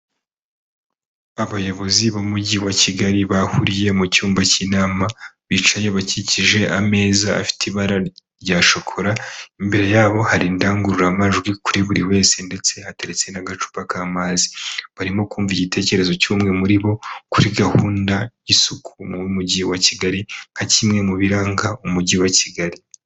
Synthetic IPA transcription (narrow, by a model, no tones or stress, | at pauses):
aβajo̞βo̞ziβomuɟiwaciɡaɾiβahuɾije̞mucuːmbacinaːmaβit͡ʃaje̞βaciciʒe̞ʔame̞ːza̰ːfi̥tiβaɾaɾɟaːʃo̞kʰo̞ɾaimbiɾejaːβo̞haɾindaːŋɡuɾuɾamaʒɡwikuɾiβuɾiwe̞ːsende̞t͡se̞hateɾet͡se̞naɡat͡ʃu̥pakaːmaːzi̥βaɾimo̞kuːɱviɟitʰe̞ːce̞ɾe̞zo̞cuːmŋe̞muɾiβo̞kuɾiɡahuːndaisukʰumumuɟiwaciɡaɾiŋhacimŋe̞muβiɾaːŋɡaumuɟiwaciɡaɾi